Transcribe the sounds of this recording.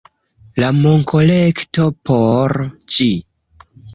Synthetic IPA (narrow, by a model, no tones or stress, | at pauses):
lamo̞ŋko̞lekto̞pʰoɾd͡ʒi